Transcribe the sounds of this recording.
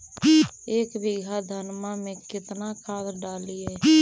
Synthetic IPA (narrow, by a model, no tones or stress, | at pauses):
eːkbɪɡʱad̪ʱənmamẽkɪt̪nakʰaːd̪ɾɖaːliɛː